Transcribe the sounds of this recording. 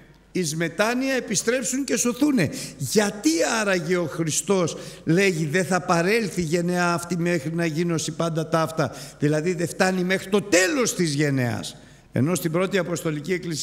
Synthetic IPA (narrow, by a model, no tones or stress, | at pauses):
izme̞t̪ɐniɐe̞pist̪ɾe̞psuŋce̞so̞θune̞ʝɐt̪iɐɾɐʝeo̞xɾist̪o̞sle̞ʝiðe̞θɐpɐɾe̞lθiʝe̞ne̞ɐːft̪ime̞xɾinɐʝino̞sipɐnd̪ɐt̪ɐft̪ɐðilɐðiðe̞ft̪ɐnime̞xɾit̪o̞t̪e̞lo̞st̪izʝe̞ne̞ɐ̰s | e̞̰no̞st̪ibɾo̞t̪iɐpo̞st̪o̞licieklis